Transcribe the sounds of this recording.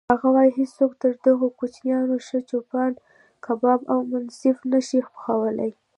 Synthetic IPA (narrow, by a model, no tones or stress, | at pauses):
haɣawɑjiɦid͡zsokt̪əɾd̪əɣokut͡ʃnjɑnoʃət͡ʃopɑn | kabɑbawmʊnsɪfnəʃixpxawəla̰j